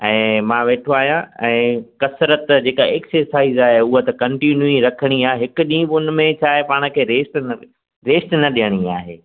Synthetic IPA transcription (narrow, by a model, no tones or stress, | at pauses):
ɛ̃ːmãːʋeːʈʰoaːɦijãɛ̃ːkɐsɾət̪d͡ʑeːkaeːksəɾsaːizaːɦeʊɦot̪ɐkɐ̃ɳʈinjuiɾɐkʰəɽ̃iaːɦeɦɪkʊ̆ɗĩːɓʊnɪ̆mẽt͡ɕʰaːɦepaːɽ̃ə̆kʰeːɾeːsʈnɐ | ɾeːsʈnɐɗijəɽ̃iaːɦeː